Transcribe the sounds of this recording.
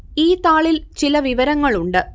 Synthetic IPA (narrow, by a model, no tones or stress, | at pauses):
iːt̪aːɭilt͡ɕilɐʋiʋɐɾɐŋːɐɭuɳɖɨ